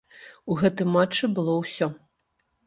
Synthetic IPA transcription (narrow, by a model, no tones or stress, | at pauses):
uɣɛt̪ɨmat͡ʂːɨbɨlˠɔwsʲɔ